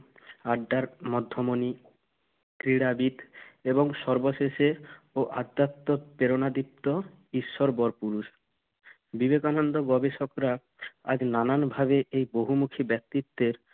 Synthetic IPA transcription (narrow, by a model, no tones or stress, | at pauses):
aɖːaɾmɔd̪ʱːomoni | kɾiɽabit̪eboŋʃɔɾboʃeʃe | oʔad̪ːat̪ːopeɾonad̪ip̚t̪o | iʃːoɾbɔɾpuɾuʃ | bibekanond̪oɡɔbeʃokɾa | a̰d͡ʑnananbʱaβeʔejboɦumukʰibɛk̚t̪it̪ːeɾ